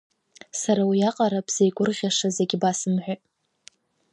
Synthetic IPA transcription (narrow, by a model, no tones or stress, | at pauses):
saɾawijaqʼaɾabz̥ejɡʷʼʊrʁʲaʂazeɡʲbasɨmħʷᶣa